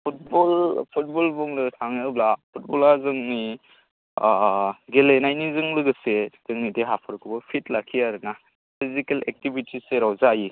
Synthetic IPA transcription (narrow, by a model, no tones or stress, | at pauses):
pʰut̚bɔlpʰut̚bɔlbuŋdɯtʰaŋɯblapʰut̚bɔlazɯŋni | ɡelenajnizɯŋlɯɡɯsez̥ɯŋnideɦapʰɯɾkʰubɯpʰit̚lakʰiaɾɯna | pʰizikelek̚tibitiseɾawzaji